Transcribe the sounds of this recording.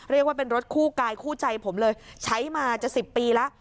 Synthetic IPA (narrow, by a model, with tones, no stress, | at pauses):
ɾi˥˩k̚waː˥˩pe˧nɾo˦˥t̪̚kʰuː˥˩kaː˧jkʰuː˥˩t͡ɕa˧jpʰo˩˦mlɤː˧jt͡ɕʰa˦˥jmaː˧t͡ɕa˨˩si˨˩pːiː˧la˦˥ʔ